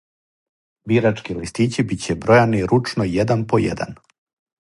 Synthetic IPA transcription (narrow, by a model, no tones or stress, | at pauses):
biɾat͡ʃkilist̪iːt͡ɕibit͡ɕebɾo̞janiɾut͡ʃnojed̪anpojḛd̪a̰n